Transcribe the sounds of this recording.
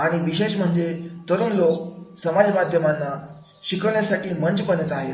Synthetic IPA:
aɽ̃iʋiɕeɕm̤əɳd͡zet̪əɾuːnloksəmad͡zmad̪ʱjəmanːa | ɕikəʋɭjasaʈiːməɲt͡ɕpənət̪aɦet̪

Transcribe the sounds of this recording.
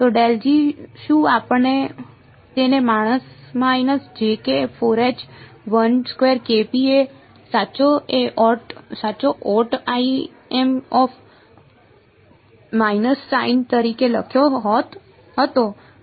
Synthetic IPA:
t̪oɖeld͡ʒiʃũapəɳːe | t̪enemaɽ̃əsmainəsd͡ʒekefʰoɾet͡ʃʋənskʋeɾkepie | saːt͡ʃoeʔɔʈsaːt͡ʃoʔɔʈai | emɔf | mainəsːaint̪əɾikeləkʰjoɦɔt̪ | ɦət̪o

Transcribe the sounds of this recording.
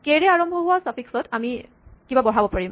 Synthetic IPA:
keɹɛaɹɔmbʱɔɦʊasapʰiksɔtʰami | kibabɔɹ̤abɔpaɹim

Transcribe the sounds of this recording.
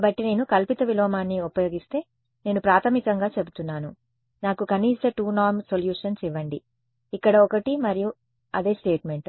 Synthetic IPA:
bɐʈːine̞ːnukɐlpit̪ɐʋilɔːmaːnːiupɐjo̞ːɡist̪e̞ː | ne̞ːnupɾaːt̪ʰɐmikɐŋɡaːt͡ʃe̞but̪unːaːnu | naːkukɐniːst̪ɐʈuːnaːɾmsoljuːʂɐnsiʋɐɳɖḭː | kːɐɽɐɔkɐʈimɐɾiju | ɐd̪e̞ːsʈe̞ːʈme̞ɳʈ

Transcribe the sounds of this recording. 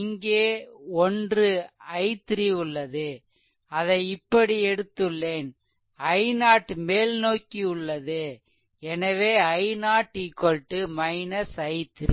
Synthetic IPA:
ɪŋɡeːɔndrɯɐɪt̪ːɾiʊɭːɐðɯ | ɐðɐɪɪpːɐɽiɛɽɯt̪ːɯɭːeːn | ɐɪnaːʈmeːlnoːkːiʊɭːɐðɯ | ɛnɐʋeːɐɪnaːʈːikːɔlʈːɯmɐɪnɐsɐɪt̪ːɾi

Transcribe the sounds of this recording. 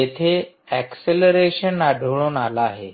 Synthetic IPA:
et̪ʰe | ɛkseləɾeɕənaɖʱəʋɭuːnalaːɦe

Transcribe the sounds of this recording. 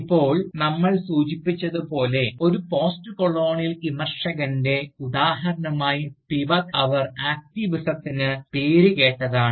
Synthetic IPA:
ipːo̞ːɭnɐmːɐɭsuːt͡ɕipːit͡ɕːɐðupo̞ːle̞o̞ɾupo̞ːstɨkoɭo̞ːɳijɐlimɐrʂɐɣɐnde̞ud̪aːɦɐɾɐɳɐmaːjipiʋɐkɐʋɐraːk̚tiʋisɐt̪ːinɨpeːɾuke̞ːʈːɐðaːɳɨ

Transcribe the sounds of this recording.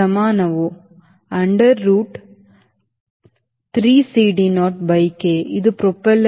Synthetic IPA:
ɐmaːnɐʋo | ɐɳɖɐɾːuːʈ | t̪ɾiːsiːɖinoːʈ̚bɐɪkːeːʔɪðɯpɾɔpːɐl

